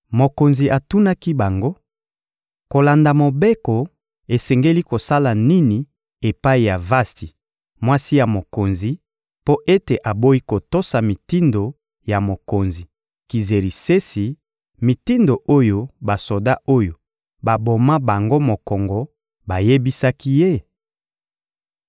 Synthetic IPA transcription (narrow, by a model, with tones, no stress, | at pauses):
mo˨ko˨nzi˨ʔa˨tu˦na˦ki˦ba˨ŋɡo˦ | ko˨la˨nda˨mo˨be˦ko˨ | e˨sɛ˨ŋɡe˦li˦ko˨sa˦la˨ni˦ni˨ | e˨pa˦i˨ja˨va˦sti˨ | mwa˦si˦ja˨mo˨ko˨nzi˨ | po˦ʔe˦te˨ʔa˨bo˦i˦ko˨to˦sa˨mi˨ti˦ndo˨ | ja˨mo˨ko˨nzi˨ | ki˨ze˨li˨se˦si˨ | mi˨ti˦ndo˨ʔo˦jo˦ba˨so˨da˦o˦jo˨ | ba˨bo˨ma˦ba˨ŋɡo˦mo˨kɔ˨ŋɡɔ˨ | ba˨je˦bi˦sa˦ki˦je˦